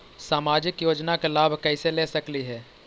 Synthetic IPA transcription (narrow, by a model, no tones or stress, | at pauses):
saːmaːd͡ʒɪkjoːd͡ʒnakelaːbʱkɛɪselesɐkliɦɛː